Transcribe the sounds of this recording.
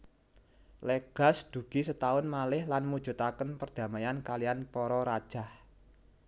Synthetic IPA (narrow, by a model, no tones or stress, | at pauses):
leɡ̥a̤sd̪̥ṳɡ̥i̤sət̪aʊnmalɪhlanmud̥ʒ̥ṳt̪akənpərd̪̥ä̤majankalijanpɔɾɔɾad̥ʒ̥a̤h